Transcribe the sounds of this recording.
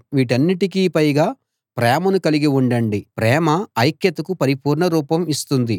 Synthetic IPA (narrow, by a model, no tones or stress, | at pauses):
ʋiːʈ̬ɐnːiʈikiːpɐjɡaː | pɾɛːmɐnukɐliɡiuɳɖɐɳɖipɾɛːmɐːjkjɐt̪ɐkupɐɾipuːɾɳɐɾuːpɐmist̪und̪i